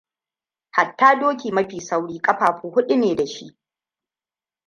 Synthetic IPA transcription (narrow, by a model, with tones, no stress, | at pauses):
ha˨tːaː˦doː˦kʲiː˨mɐ˦ɸiː˨sa˦wɽiː˦kʼɐ˦ɸaː˨ɸuː˨hʊ˦ɗu˦neː˨da˨ʃi˦ʔ